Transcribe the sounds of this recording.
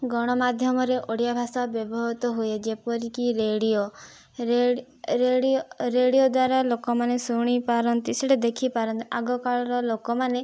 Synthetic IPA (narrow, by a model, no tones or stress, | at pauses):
ɡɔɽ̃ɔmad̪ʱjɔmɔɾeʔoɽijabʱasabjɔbɔɦɔt̪ɔɦued͡ʒepɔɾikiɾeɽijo | e | ɾeɾeɽijod̪waɾalokɔmanesuɽ̃ipaɾɔnt̪iseɽed̪ekʰipaɾɔnt̪iʔaɡɔkaɭɔɾɔlokɔmane